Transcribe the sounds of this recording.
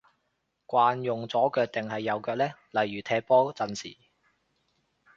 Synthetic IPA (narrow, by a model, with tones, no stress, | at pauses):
kʷaː˧njʊ˨˩ŋt͡sɔː˨˥kœː˧k̚t̪ɪ˨ŋhɐ˨jːɐ˨˧wkœː˧k̚lɛː˥lɐ˨˩jːyː˨˩t̪ʰɛː˧t̚pɔː˥t͡sɐ˨˧nsḭː˨˩